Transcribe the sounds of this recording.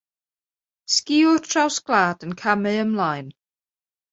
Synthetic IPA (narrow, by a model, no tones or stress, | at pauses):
skiːʊtʰrawsɡ̥laːd̥ənkʰamɨəmlajn